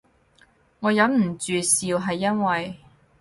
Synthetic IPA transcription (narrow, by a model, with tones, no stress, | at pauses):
ŋɔː˨˧jɐ˨˥nm̩˨˩t͡ʃyː˨siː˧wɦɐ˨jːɐ˥nwɐ˨j